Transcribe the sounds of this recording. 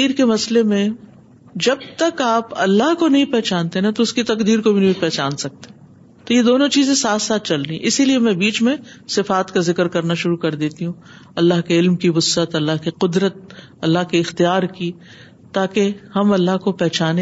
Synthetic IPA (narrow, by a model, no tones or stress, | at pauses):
iːɾkemɐslemẽ | d͡ʒɐb̚t̪ɐkaːpɐ̰lːaɦkonɐɦĩpɛɦt͡ʃaːnt̪enat̪oʊskit̪ɐqd̪iːɾkobʱinbʱipɛɦt͡ʃaːnsɐk̚t̪e̥ | t̪ojed̪oːnõt͡ʃiːzẽsaːt̪saːt̪̚t͡ʃɐldĩʔɪsiliemɛ̃biːt͡ʃmẽsɪfaːt̪kazɪkəɾkɐɾnaʃʊɾukɐɾd̪eːt̪iɦũ | ɐlːaɦkeɪlmkiʋʊsət̪ɐlːaɦkiqʊd̪ɾət̪̚ | ɐlːaɦkiɪxt̪ijaːɾki | t̪aːkehɐmɐlːaɦkopɛɦt͡ʃaːne